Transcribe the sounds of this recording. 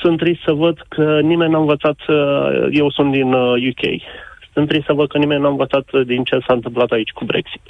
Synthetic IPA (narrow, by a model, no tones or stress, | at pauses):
sɨnt̪ɾist̪səvəd̪kʰənime̞nʲnaɨnvət̪sat̪je̞wsunt̪̚d̪injukʲʰe̞̰jsɨnt̪ɾist̪səvəd̪̚kənime̞nʲnaɨnvət̪sat̪d̪int͡ʃe̞saɨnt̪ɨmplat̪ait͡ʃʲkubɾe̞̰ksi̥t̪